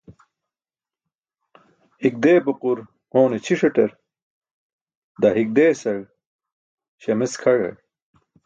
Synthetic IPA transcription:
hik̚d̪eːpoquɾ | oːnet͡ɕʰiʂeʈeɾ | d̪ɐɦik̚d̪eːsɐɻ | ɕɐmeskʰɐɻɐ̰

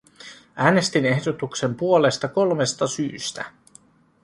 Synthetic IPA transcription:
ʔæːne̞st̪ine̞hdo̞t̪ukse̞mpuole̞st̪ɑko̞lme̞st̪ɑsyːst̪æ̰

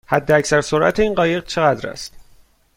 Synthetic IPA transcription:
hæd̪ːeæcsæɾso̞ɾʔæ̰t̪ʰeiːnɢɒːje̞ɣt͡ʃʰe̞ɣæd̪ɾæ̰st̪

